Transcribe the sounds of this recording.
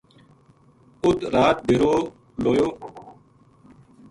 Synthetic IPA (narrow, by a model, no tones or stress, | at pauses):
ʊt̪ɾaːt̪̚bɪɾoː | loːjoː